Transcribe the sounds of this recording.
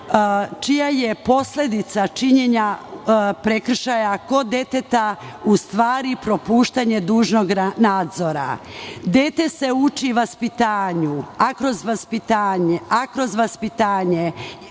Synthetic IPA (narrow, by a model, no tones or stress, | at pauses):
t͡ʃijaje̞po̞sle̞d̪it̪sat͡ʃiɲe̞ɲa | pɾekr̩ʃajako̞d̪e̞t̪et̪aust̪ʋaːɾipɾo̞puːʃt̪aɲe̞d̪uːʒno̞ɡnaːd̪zo̞ɾa̰d̪jet̪e̞se̞ut͡ʃiʋaspit̪aːɲuakɾo̞zʋaspit̪aːɲeakɾo̞zʋaspit̪aːɲe